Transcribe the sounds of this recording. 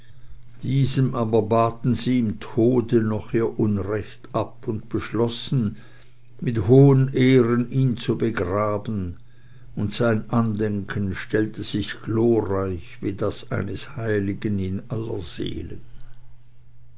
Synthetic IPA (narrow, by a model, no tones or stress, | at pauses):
d̥iːzəmʔaːbɐbaːtn̩ziːɪmtʰoːdənɔχiːɐʔʊnʁɛçtʔapʊntb̥əʃlɔsn̩ | mɪthoːəneːʁəniːnt͡subəɡʁaːbn̩ | ʊntz̥aɪnʔandɛŋkʰənʃtɛltəz̥ɪçɡ̥loːʁaɪçviːdasa̰ɪnəshaɪlɪɡənɪnalɐ̰z̥ḛːlən